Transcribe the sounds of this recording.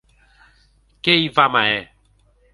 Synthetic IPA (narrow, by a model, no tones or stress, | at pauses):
keivamaɛ